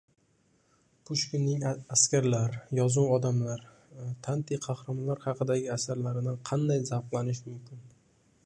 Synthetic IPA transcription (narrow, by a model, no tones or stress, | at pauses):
pʰʊʃkʲɪnːɪŋaskʲaɾlaɾjɒzuwɒd̪amlaɾ | t̪ʰant̪ʰijqʰɑhɾamlaɾhɑqɨd̪aɡʲɪasaɾlaɾɪd̪anqʰɑnd̪ajzaɾqlˠanɪʃmʊmkʲʰɪn